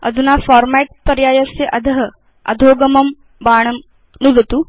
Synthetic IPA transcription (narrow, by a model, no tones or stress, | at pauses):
ɐ̰d̪ʱunaːfaːɾmɛːʈ̚pɐɾjaːjɐsjɐʔɐd̪ʱɐɦɐ | ɐ̰d̪ʱoːɡɐmɐm | baːɳ̃ɐm | nud̪ɐt̪u